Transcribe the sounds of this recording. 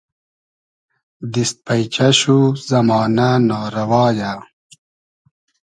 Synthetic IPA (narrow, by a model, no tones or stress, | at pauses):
d̪ist̪̚pɐjt͡ɕɐɕuzɐmɑːnanaːɾɐwɑːja